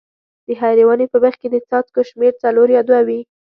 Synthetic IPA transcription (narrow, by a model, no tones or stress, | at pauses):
d̪̥əɦajɾewanepəbəxked̪ət͡sɑt̪koʃmeɾt͡saloɾjɑd̪wawi